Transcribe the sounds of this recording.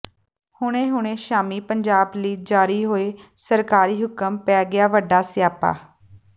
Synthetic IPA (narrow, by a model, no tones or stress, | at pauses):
hʊɽ̃ẽːɦʊɳ̃ẽːʃaːmiːpəɲd͡ʒaːbliːd͡ʒaːɾiːɦoːeː | səɾkaːɾiːɦʊkəmpɛːɡɪaːʋəɖaːsjaːpa̰ː